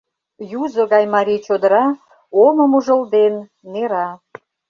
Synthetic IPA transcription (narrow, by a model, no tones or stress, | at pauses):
juzŏɣɑjmɑɾʲijt͡ɕod̪əɾɑ | omə̆muʒə̆ld̪enː | eɾɑ